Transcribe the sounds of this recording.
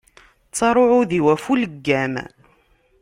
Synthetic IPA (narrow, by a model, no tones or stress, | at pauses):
t͡sːɑɾˤoʕʊðiwæfuləɡːæm